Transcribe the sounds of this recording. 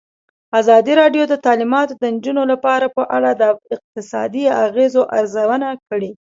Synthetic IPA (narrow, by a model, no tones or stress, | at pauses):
azɑd̪iɾɑɖjod̪ət̪ɑlimɑt̪od̪ənd͡ʒunolapɑɾapəʔaɽad̪əɪq̚t̪ɪsɑ̰d̪iaɣezoʔa̰ɾzawənakəɽe